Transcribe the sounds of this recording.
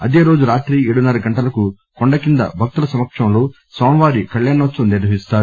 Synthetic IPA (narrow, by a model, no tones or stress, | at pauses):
ɐd̪e̞ːɾo̞ːd͡ʒuɾaːʈɾiːeːɽunɐɾɐɡɐɳʈɐlɐku | koɳɖɐkind̪ɐ̰bʱɐk̚t̪ulɐsɐmɐkʂɐmloː | soːmʋaːɾikɐɭjaːnɐt͡ʃːuniɾd̪ʱɐʋist̪aːɾu